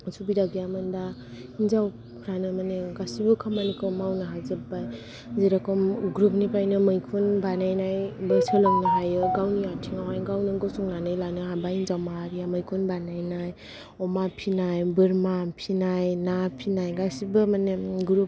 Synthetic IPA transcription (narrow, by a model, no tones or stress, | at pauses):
subidaɡjamɯnda | inzaw | pʰɾanɯmaneɡasibɯkʰamanikʰɯmawnɯɦazɯbaj | zeɾakɔmɡɾup̚nipajnɯmɯjkʰunbanajnajbɯsɯlɔŋnɯɦajɯɡawniatʰiŋawajɡawnɯɡɔsuŋnanɯjlanɯɦabainzawmaɦaɾijamɯjkʰunbanajnaj | ɔmapʰinajbɯɾmapʰinajnapʰinajɡasibɯmaneɡɾup̚